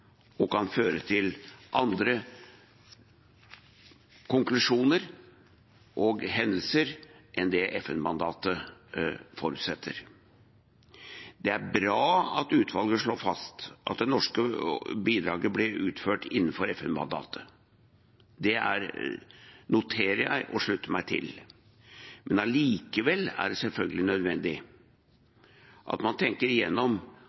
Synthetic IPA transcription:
ɔkɑnføːɾət̪ʰɪlʔɑnd̪ɾə | kʰʊŋklʉʂuːnəɾ | ʔɔɡɦɛnd̪əlsəɾʔɛnd̪ɛʔɛfɛnmɑnd̪ɑːt̪ə | fɔɾʉːt̪sɛt̪ʰːə̰ɾ | d̪ɛæɾbɾɑːɑt̪ʉːt̪ʰʋɑlɡəʂɭoːfɑst̪ʔɑ̰t̪̚d̪ɛnɔʂkəbiːd̪ɾɑːɡəblɪʉ̰ːt̪føːʈɪnːənfɔɾɛfɛnmɑ̰nd̪ɑ̰ːt̪ʰə | d̪ɛæ̰ɾ | nʊt̪ʰeːɾəjæ̰ɪʔɔʂɭʉt̪ːəmæɪt̪ʰɪ̰l | mɛnɑliːkəʋɛlːæ̰ɖɛsɛlfœlɡəlɪnœd̪ʋɛnd̪ɪ | ʔɑ̰t̪mɑnt̪ʰɛŋkəɾɪjɛnːɔm

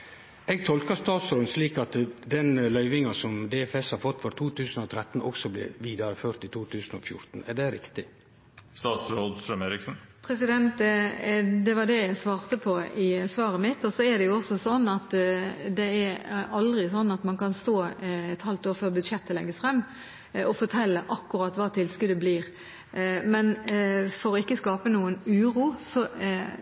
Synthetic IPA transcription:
ɛɡt̪ʰɔlkəɾst̪ɑːt̪sɾoːd̪nsliːkɑt̪d̪ɛnlœʏʋɪŋɑsɔmd̪eːɛfɛshɑɾfɔt̪ːfɔɾt̪ʰuːt̪ʰʉːsn̩ɔt̪ʰɾɛt̪ːn̩ʔɔksɔblɪ̰ʋiːd̪ɑɾəføːɾt̪ɪt̪ʰuːt̪ʰʉːsnɔ̰fjʊ̰ɾt̪n̩æɖɛɾɪ̰kt̪ɪ | st̪ɑːt̪sɾoːd̪st̪ɾœmeːɾɪksn̩pʰɾɛsɪd̪ɛnt̪ | d̪ɛʋɑd̪ɛjæsʋɑːʁt̪əpʰɔɪsʋɑːʁəmɪt̪ːɔsɔæd̪ɛjʊɔsːɔsɔnːɑt̪d̪ɛæɾɑld̪ʁɪsɔnːɑt̪mɑnkɑnst̪oːɛt̪hɑlt̪oːɾfœʁbʉd̪ʂɛt̪ʰːəlɛ̰ɡːəsfʁɛmː | ɔfɔt̪ʰɛlːəʔɑkːʉʁɑt̪ʋɑːt̪ʰɪlskʉd̪əbliːʁ | mɛnfɔɾɔɪkːəskɑːpənuːənʉːʁuːsɔ

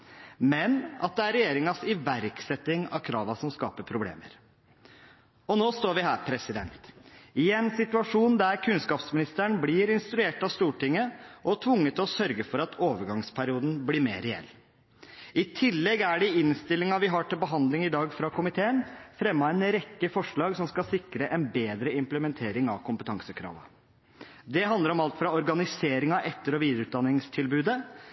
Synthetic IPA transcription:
mɛnɑ̰t̪̚d̪ɛæɾɛjeːɾɪŋɑsɪʋæɾksɛt̪ːɪŋɑ̰ʋkʰɾɑːʋɑsɔmskɑ̰ːpəpʰɾʊblḛːmə̰ɾ | ɔnoːst̪oːɾʋɪɦæːɾpʰɾɛsɪd̪ɛ̰nt̪ɪɛnsɪt̪ʉɑʂuːnd̪æɾkʰʉnskɑːpsmɪnɪst̪əɳblɪːɾɪnst̪ɾʉeːʈɑʋst̪uːʈɪŋːəʔɔt̪ʰʋʊŋːət̪ɔsœɾɡəfɔɾɑt̪ʰoːʋəɾɡɑŋspʰæɾɪuːd̪n̩blɪɾmḛːɾɛɛ̰lː | ɪt̪ʰɪlːɛɡæɖɪɪnst̪ɪlːɪŋɑʋɪɦɑʈɪlbəɦɑnd̪lɪŋɪd̪ɑːɡfɾɑkʰʊmɪt̪ʰeːənfɾɛmːɑɛnɾɛkːəfɔʂɭɑːɡsɔmskɑlsɪkɾəʔɛnbeːd̪ɾəɪmpləmɛnt̪ʰeːɾɪŋɑ̰ʋkʰʊmpət̪ʰɑŋsəkʰɾɑ̰ːʋə̰ | d̪ɛɦɑnd̪əɾɔmɑlt̪fɾɑɔɾɡɑnɪseːɾɪŋɑʔɛt̪ːəɾɔʋiːd̪əɾʉːt̪̚d̪ɑnːɪŋst̪ʰɪlbʉːd̪ə

